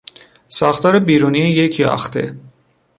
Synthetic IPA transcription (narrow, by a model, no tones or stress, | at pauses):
sɒːxt̪ɒːɾebiːɾuːniːejecʰiɒ̰xt̪ḛ